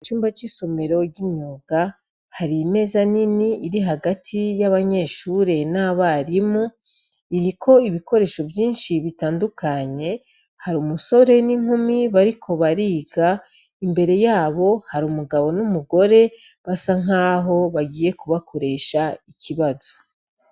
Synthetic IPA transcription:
t͡ʃuːmbat͡ʃiso̞me̞ɾo̞ɟimɲuːɡ̥a | haɾime̞zaniniiɾiɦaɡatʰijaβaɲe̞ːʃuɾe̞naβaɾimu | iɾikʰo̞iβikʰo̞ɾe̞ːʃo̞vjiːnʃiβitaːndukaɲe̞ | haɾuːmuso̞ɾe̞niŋ̥humiβaɾikʰo̞βaɾiːɡa | imbe̞ɾe̞jaːβo̞haɾuːmuɡaβo̞numuɡo̞ɾe̞ | βasaŋ̥aːɦo̞βaɡiːje̞kuβakʰo̞ɾe̞ːʃaicʰiβazo

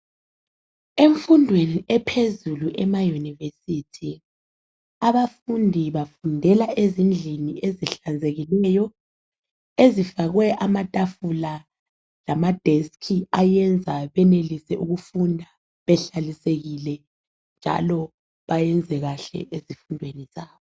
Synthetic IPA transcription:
eɱfundʱweniɛpʰezuluʔɛmajunivesitʰi | aβafundʱiβafundʱɛlaʔezind͡ɮʱinieziɬand͡zʱeɣilɛjɔ | ezifaɣwɛʔamatʼafula | lamad̥ʱeskʰiajɛnd͡zʱaβɛnelisɛʔuɣufundʱa | βɛɬaliseɣilɛ | nd͡ʒʱa̰lɔ | βajɛnd͡zʱɛɣaɬɛ̰ʔezifundʱweniz̥aːβɔ

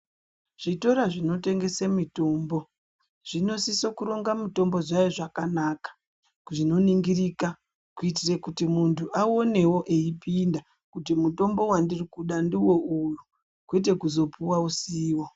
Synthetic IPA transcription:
ʐ̥ito̞ɾaʐino̞te̞ŋɡe̞semito̞ːmbo̞ | ʐ̥ino̞sisokuɾo̞ŋɡamito̞mbo̞ʐajeʐakanaːkḁ | kʐino̞niŋɡirika | kuit̬irekutimuntʰuʔao̞ne̞wo̞ʔeipinda | kutimuto̞mbo̞wandirikuɗandiwo̞uju | kwet̬e̞kuzo̞puwausiːwo

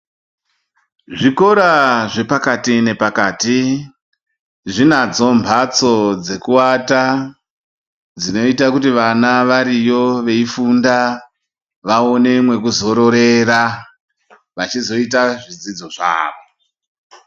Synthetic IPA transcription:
ʐiko̞ɾaʐe̞pakatine̞pakaːti | ʐinad͡zo̞mbʱat͡so̞d͡ze̞kuwata | d͡zino̞itakutiʋanaʋaɾijo̞ʋe̞ifunda | ʋaone̞mwe̞kuzo̞ɾo̞ɾe̞ra | ʋat͡ʃizo̞itaʐid͡zid͡zo̞ʐa̰ːʋo

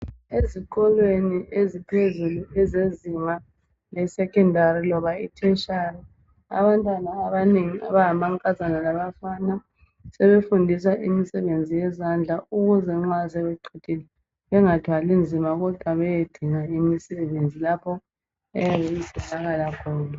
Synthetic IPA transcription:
ezikɔlweniʔezipʰezuluɛzezima | lɛsɛkʰʼɛndʱarilɔβaitʰɛʃari | a̰βantʼwanaːβaneŋia̰βaɦamaŋkʼazanalaβafana | sɛβefundʱisaʔimisɛβend͡zʱijɛzand͡ɮʱauɣuzɛŋ͡ǁwasɛβeǃʰid̥ʰʱilɛ | βɛŋatʰwalind͡zʱimaɣɔd̥ʱwaβɛjed̥ʱiŋaimisɛβend͡zʱilapʰɔ | ɛjaβejisɛɬaɣalakʰɔːna

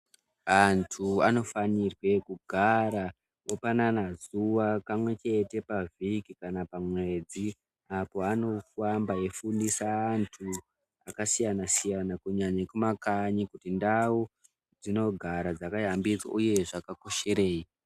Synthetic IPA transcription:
antʰuano̞fanirwe̞kuɡʱaɾa | opananazuwakamwe̞t͡ʃe̞te̞pavikikanapamwe̞d͡zi | apo̞ano̞fambaje̞fundisaːntʰu | akasijanasijanakuɲaɲakumakaɲikutindawu | d͡zino̞ɡʱaɾad͡zakajambit͡swa̰ʔuje̞ʐakako̞ʃe̞ɾe̞ːi

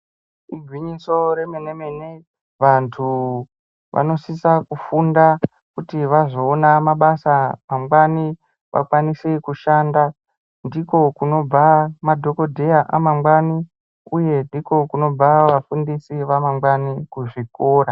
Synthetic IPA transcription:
iɡʱwiɲiso̞ɾe̞mene̞mene | ʋantʰu | ʋʔa̰no̞sisakufunda | kutiʋaʐoːnamaɓasamamɡwani | ʋʔa̰kwanisekuʃaːnda | ndiko̞kuno̞b͡vamadʱo̞ko̞dʱe̞jaʔamamɡwani | uje̞ndiko̞kuno̞b͡vaʋafundisiʋamamɡwanikuʐikoːɾa

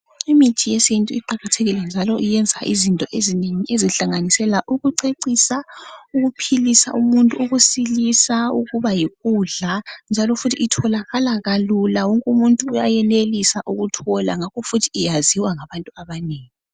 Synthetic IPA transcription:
imitʰijɛsentʼuiǃaɣatʰeɣilɛnd͡ʒʱalɔʔijɛnd͡zʱaʔizintʼɔʔezineŋiʔeziɬaŋanisɛlaʔuɣuǀeǀisauɣupʰilisa̰ʔumuntʼuuɣusilisauɣuβajiɣuɮand͡ʒʱalɔfutʰiʔitʰɔlaɣalaɣalulawɔŋkʼumuntʼuːjajɛnelisaʔuɣutʰɔla̰ŋakʰɔfutʰi̥ːjaziwaŋaβantʼuaβaneːŋi

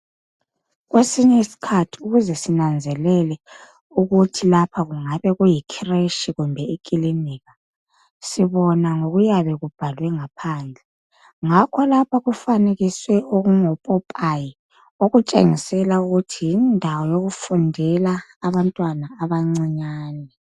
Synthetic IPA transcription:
ɣwesiɲɛisi̥kʰatʰi̥uɣuzɛsinand͡zʱɛlɛlɛ | uɣutʰilapʰaɣuŋaβɛɣujikʰireʃiɣumbʱɛikʼiliniːɣa | siβɔnaŋoɣujaβɛɣub̥ʱalwɛŋapʰaːnd͡ɮʱɛ | ŋakʰɔlapʰaɣufaneɣiswɛoɣuŋɔpʼɔpʼaji | oɣut͡ʃʼḛŋisɛlauɣutʰijindʱawɔjoɣufundʱɛlaːβantʼwanaːβaŋ͡ǀiɲaːnɛ

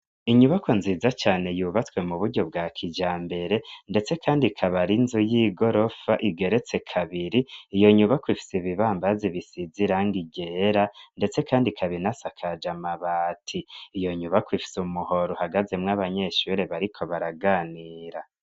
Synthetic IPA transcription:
iɲuβakʰo̞nziːzat͡ʃaːne̞juːβat͡swe̞muβuɾɟo̞b̚ɡaːkʰid͡ʒaːmbe̞ɾe̞nde̞t͡se̞kʰaːndikʰaβaɾinzujiɡo̞ɾo̞faʔiɡe̞ɾe̞t͡se̞kʰaβiɾiːjo̞ɲuβakwifi̥seβiβaːmbaziβisiziɾaŋɡiɟeɾande̞t͡se̞kʰaːndikʰaβiɾinasakʰad͡ʒamaβaːtʰiːjo̞ɲuβakwifi̥sumuho̞ɾohaɡaze̞mŋaβaɲe̞ʃuɾe̞βaɾikʰo̞βaɾaɡaːniːɾa

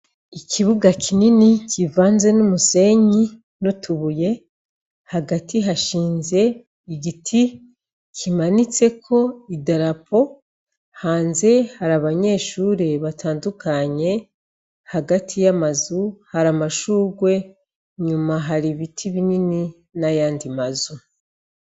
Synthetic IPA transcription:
icʰiβuɡakʰininicivaːnze̞numuse̞ɲi | notʰuβuje̞ | haɡatiɦaʃiːnze̞ | iɡitʰi | kʰimanit͡se̞kʰo̞idaɾapo̞ | haːnze̞haɾaβaɲe̞ːʃuːɾeβatʰaːndukaɲe̞ | haɡatʰijamazuhaɾamaʃuːɡwe̞ | ɲumaɦaɾiβitʰiβinini | najaːndimazu

